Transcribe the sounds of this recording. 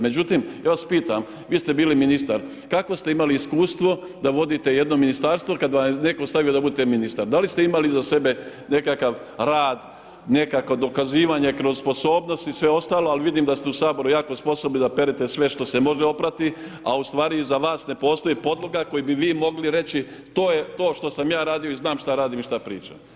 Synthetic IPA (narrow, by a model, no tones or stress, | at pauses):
me̞d͡ʑut̪imjaːʋaspiːt̪am | ʋiːst̪e̞biːliminist̪aɾ | kako̞st̪e̞imaliːskuːst̪ʋo̞ | d̪aʋo̞d̪it̪e̞jed̪no̞minist̪aɾst̪ʋo̞kad̪ʋamne̞ko̞st̪aʋijo̞d̪abud̪et̪eminist̪aɾd̪alist̪e̞imalizase̞be̞ne̞kakaʋ | ɾaːd̪ | ne̞kakod̪o̞kaziːʋaɲe̞kɾozspo̞so̞ːbno̞st̪isʋe̞o̞st̪aːloalʋid̪iːmd̪ast̪eusaːbo̞ɾujaːko̞spo̞sobnid̪ape̞ɾet̪e̞sʋe̞ʃt̪o̞semo̞ʒeo̞pɾat̪i | aust̪ʋaːɾizaʋaːsne̞po̞ːst̪o̞jipo̞d̪lˠoɡako̞jibiʋiːmo̞ɡliɾe̞t͡ʃi | t̪o̞ːje̞t̪o̞ːʃt̪o̞samjaːɾaːd̪ijo̞iznaːmʃt̪aɾaːd̪imiʃt̪apɾḭːt͡ʃa̰